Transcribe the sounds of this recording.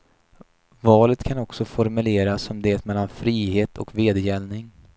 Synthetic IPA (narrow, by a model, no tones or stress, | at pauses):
vɑːlət̪kʰanɔksɔfɔɾmɵleːɾasːɔmd̪eːt̪mɛlːanfɾiːheːt̪ʰɔ̰kveːd̪əjɛlnɪŋ